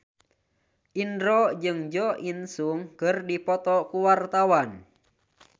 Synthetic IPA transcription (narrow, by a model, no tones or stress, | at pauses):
ʔindɾɔd͡ʒɨŋd͡ʒɔʔinsuŋkɨrdipɔt̪ɔkuwart̪awan